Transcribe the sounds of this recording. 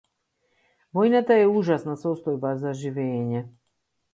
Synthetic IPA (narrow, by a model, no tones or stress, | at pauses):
vɔjnat̪aɛuʒasnasɔst̪ɔjbazaʒivɛːɲɛ